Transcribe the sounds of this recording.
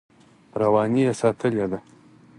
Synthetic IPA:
ɾawɑnijesɑt̪ʰəled̪a

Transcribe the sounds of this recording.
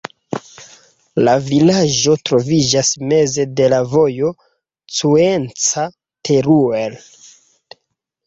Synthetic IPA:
lavilad͡ʒo̞tɾo̞vid͡ʒasme̞ze̞de̞lavo̞jo̞ | t͡sue̞nt͡sa | tʰe̞ɾuel

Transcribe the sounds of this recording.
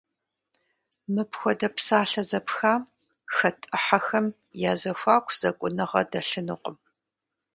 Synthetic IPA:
mɨpʰxʷɔdɐpsaːɬɐzɐpxaː | xɐtʼɨħaxɐm | jaːzɐxʷaːkʷʰz̥ɐkʷʼʊnɨʁɐ̰dɐɬɨnɨqʷʼəm

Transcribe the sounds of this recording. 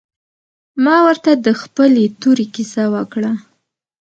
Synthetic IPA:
mɑwəɾt̪ad̪əxpəlet̪uɾekisawəkɽa

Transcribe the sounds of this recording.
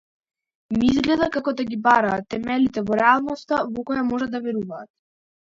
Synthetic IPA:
miizɡlɛd̪akakɔd̪aɡibaɾaːt̪ːɛmɛlit̪ɛvɔɾɛalˠnɔst̪avɔkɔjamɔʒad̪avɛɾuvaːt̪̚

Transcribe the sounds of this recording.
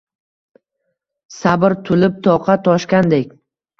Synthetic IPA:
sabɪɾt̪ʰʊlɪp̚t̪ʰɒqʰɑt̪ʰɒʃkʲand̪ekʲ

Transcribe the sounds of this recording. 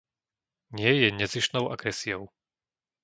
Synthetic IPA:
ɲɪɛjɛɲɛziʃnɔʊʔa̰ɡɾɛsiɔʊ

